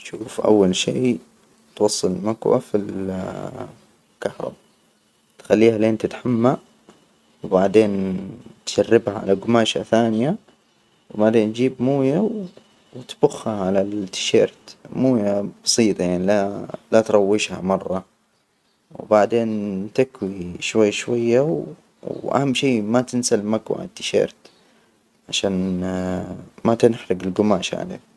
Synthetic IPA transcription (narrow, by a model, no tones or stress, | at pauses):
ʃuːfʔa̰wːalʃiː | t̪wɑsˤːɨlmakwa̰fil | kahɾˤɑ̰ba | t̪xalːiːhaleːnt̪ɪt̪ħamːa | wbaʕd̪eːnt̪ʃarːɪbhaʕa̰laɡʊmaːʃa̰θaːnɪja | wbaʕd̪eːnd͡ʒiːbmuːjaw | wɪt̪b̥ʊxːaʕalalt̪ːɪ̥ʃḛːɾt̪muːjab̥ɑsˤiːt̪ˤjaʕnilalat̪ɾˤɑwːɪʃha̰mɑrˤːɑ | wbaʕd̪eːnt̪ɪkwiʃwajːʃwajːaw | ʔa̰hamːʃiːmat̪ɪnsalmakwa̰ʕa̰t̪ːɪ̥ʃḛːɾt̪ | ʕaʃaːn | mat̪ɪnħɾɪɡɪlɡʊmaːʃa̰ʕa̰lḛː